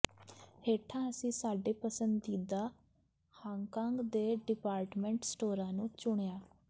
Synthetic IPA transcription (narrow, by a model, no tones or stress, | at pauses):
heːʈʰãːəsĩːsaːɖeːpəsənd̪iːd̪aː | hãːŋkãːŋɡd̪eːɖɪpaːɾʈmɛ̃ːɳʈsʈoːɾãːnũːt͡ʃʊɳ̃ejaː